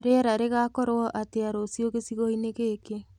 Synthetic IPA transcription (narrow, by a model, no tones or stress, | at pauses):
ɾeɾaɾeɣakɔɾwɔʔateaɾosjoɣesiɣɔineɣeːke